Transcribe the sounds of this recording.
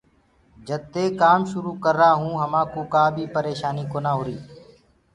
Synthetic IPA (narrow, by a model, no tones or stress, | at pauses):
d͡ʒət̪ːeːkaːmʃʊɾuːkəɾːaːɦũːɦəmãːkuːkaːbʱiːpəɾeːʃaːniːkoːnaːɦʊɾiː